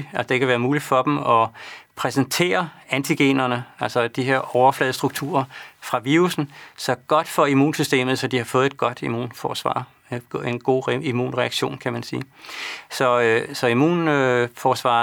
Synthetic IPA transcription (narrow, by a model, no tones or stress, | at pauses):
ælsəd̥e̝kʰæʋæːɐmuːlid̥fɒ̽d̥mɒ̽pʰʁɛsent͡sʰe̝̰ːɐænt͡sʰiɡ̥e̝̰ːnɐnəælsɒ̽d̥iɦe̝ɐ̰ɒʊɐflɛðˠsd̥ʁuɡ̥̚t͡sʰṵɐfʁɑ̈ʋiːʁusn̩sɒ̽ɡ̥ɒ̽d̥fɒ̽imṵːnsysd̥e̝̰ːmð̩ˠsɒ̽d̥ihɑ̈fɔ̽ːð̩ˠe̝d̥̚ɡ̥ɒ̽d̥imṵːnfɒːsʋɑ̰̥̈ː | e̝nɡ̥o̝̰ːimṵːnʁɛɑɡ̥ɕo̝̰ːnkʰæmænsiːsɒ̽øsɒ̽imṵːnøfɒːsʋɑ̰̈ː